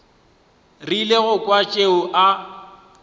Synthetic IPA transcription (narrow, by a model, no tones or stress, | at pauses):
rileɣʊkʼwat͡ʃʼeʊʔa